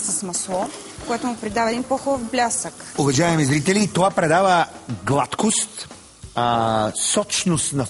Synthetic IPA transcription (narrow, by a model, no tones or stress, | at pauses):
sɐsmɐslˠɔ | kojɛt̪ʊmʊpɾɛd̪avəɛd̪inpɔxɔvblʲasəkʊvɐʒaɛmɛzɾit̪ɛliːt̪ovapɾɛd̪avəɡlˠat̪kost̪ | sɔt͡ʃnost̪nɐ